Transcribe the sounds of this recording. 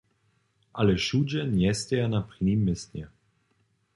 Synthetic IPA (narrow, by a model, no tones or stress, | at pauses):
ʔalɛʃud͡ʒɛnjɛst̪ʲɛjanapɾinimːɪsnʲɛ